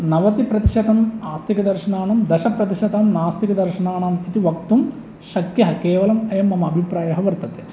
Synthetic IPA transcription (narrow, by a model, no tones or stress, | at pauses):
nɐʋɐt̪ipɾɐt̪i̥ʃɐt̪ɐmaːst̪ʰikɐd̪ɐɾʃɐnaːnɐmd̪ɐʃɐpɾɐt̪iʃɐd̪aːmnaːst̪ikɐd̪ɐɾʃɐnaːɳɐːmit̪iʋɐk̚t̪um | ʃɐkjɐɦɐkeːʋɐlɐmɐjɐmːɐmɐːbʱipɾaːjɐɦɐʋɐɾt̪ɐt̪e